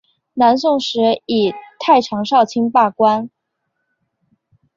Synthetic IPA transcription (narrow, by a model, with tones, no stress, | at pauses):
na˧˥ns̬ʊ˥˩ŋʂɻ̩˧˥i˨˩t̪ʰa˥˩ɪʈ͡ʂʰɑ˧˥ŋʂɑ˥˩ʊt͡ɕʰi˥ŋpa˥˩kwa˥n